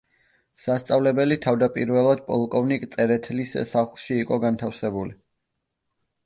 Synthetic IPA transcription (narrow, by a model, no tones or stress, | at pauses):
sast̪sʼavlɛbɛlit̪ʰavd̪apʼiɾvɛlˠad̪̚pʼɔlˠkʼɔvnikʼt̪sʼɛɾɛt̪ʰlissaχlˠʃiːqʼɔɡant̪ʰafsɛbuli